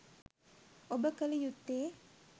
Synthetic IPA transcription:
obəkəlijut̪ːeː

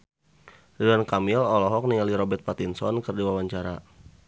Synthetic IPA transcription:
didankamilɔlɔɦɔk̚nialiɾɔbɛrt̪̚pat̪insɔnkɨrdiwawaɲt͡ʃaɾa

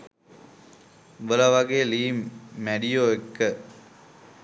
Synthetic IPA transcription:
bəlɐʋɐɡeːliːmːæɖijoːekːə

